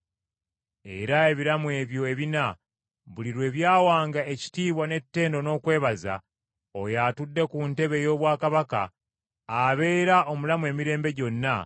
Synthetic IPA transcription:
e̞ɾae̞βiɾamue̞ːβjo̞e̞βina | βuliɾwe̞ːβjaːwaːŋɡae̞ci̥tiːβwane̞tːe̞ːndo̞no̞ːkwe̞ːβaza̰ | ojaːtudːe̞kunte̞βe̞jo̞ːβwaːkaβaka̰ː | βe̞ːɾaʔo̞mulamue̞ːmiɾe̞ːmbe̞ɟo̞nːa

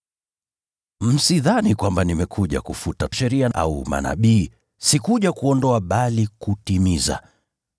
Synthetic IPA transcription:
m̩siðanikwambanimɛkʰuʄa̰kufutaʃɛɾiaʔa̰uma̰na̰ɓiː | sikuʄakuɔndɔaɓalikutimiza̰

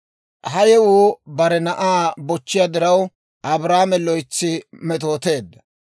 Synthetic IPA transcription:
hɐjɛwuːbɐɾɛnɐʔaːbɔt͡ʃːɪjad̪ɪɾɐw | ʔɐbɾaːmɛlɔjt͡sːɪmɛt̪o̞ːt̪e̞ːd̪ːɐ

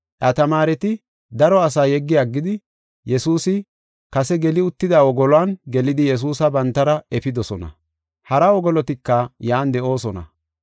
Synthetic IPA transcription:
ʔɐt̪ɐmaːɾɛt̪ɪ | d̪ɐɾɔɐs̬aːjɛɡːɪjaɡːɪd̪ɪ | jɛsuːsɪ | kɐsɛɡɛlɪʊt̪ːɪd̪awɔɡɔlwanɡɛlɪd̪ɪjɛs̬uːsɐbɐnt̪ːɐɾɐɛfɪd̪ɔsɔnɐ̰ | hɐɾɐɔɡɔlɔt̪ɪkːɐjaːnd̪ɛʔo̞ːsɔnɐ̰

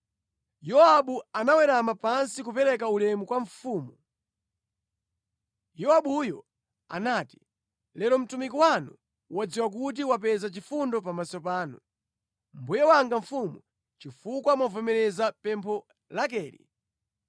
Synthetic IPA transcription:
jɔaɓuanawɛɾamapansikupɛɾɛk̬aulɛmukwaɱfuːmu | jɔaɓujɔ | a̰naːti̥ | lɛɾɔm̩tumik̬ɔwanu | wad͡ziwak̬ut̬iwapɛzat͡ʃifundɔpamasɔpaːnu | mbujɛwaŋɡaɱfumu | t͡ʃifukwamavɔmɛɾɛzapɛmpʰɔ | lak̬ɛːɾḭ

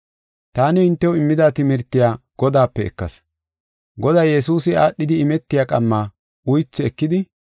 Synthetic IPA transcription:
t̪aːnɪɪnt̪ːɛwɪmːɪd̪aːt̪ɪmɪɾt̪ːɪjaːɡ̥ɔd̪aːpːɛɛ̰kːɐ̰s | ɡɔd̪ɐjjɛsuːsɪaːɗːɪd̪ɪɪmɛt̪ːɪjaːkʼɐmːaː | ʊjt͡sːɪɛkːɪd̪ɪ

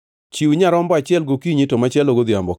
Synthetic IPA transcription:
t͡ʃiuɲaɾɔmbɔat͡ʃɪɛlɡokiɲitomat͡ʃɪɛloɡod̪jambɔ

